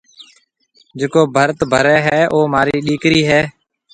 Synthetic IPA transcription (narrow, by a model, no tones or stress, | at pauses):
d͡ʒeːkoːbʱəɾt̪bʱəɾɛːɦɛːʔoːmaːɾiːɗiːkɾiːɦɛː